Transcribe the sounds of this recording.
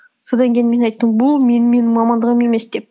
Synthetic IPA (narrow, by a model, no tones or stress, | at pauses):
so̞d̪ɑŋkʲʰejɪnme̞nɑjt̪ːəɴbʊlˠme̞nɪme̞nɪmɑmɑnd̪əʁəmemesd̪e̞p̚